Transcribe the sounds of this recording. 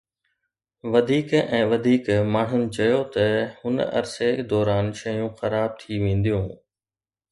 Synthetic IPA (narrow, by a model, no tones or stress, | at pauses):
ʋɐd̪ʱiːkɛ̃ːʋɐd̪ʱiːkmaːɳ̤ʊnɪ̆t͡ɕɐjot̪ɐhʊn̰ɐ̰ɾsed̪ɔːɾaːnʃɐjũxɐɾaːb̚t̪ʰiʋẽːn̆d̪ijũː